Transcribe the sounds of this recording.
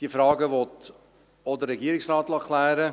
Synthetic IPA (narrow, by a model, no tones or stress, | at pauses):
d̥iəfɾɑːɡəʋɔt | ɔdərɛɡiəɾɪksrɑːtlɑkʰlæːɾə